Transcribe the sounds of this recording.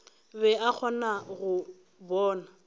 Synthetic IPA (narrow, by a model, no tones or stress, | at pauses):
bɛak͡xʰɔnaɣʊ | bɔːna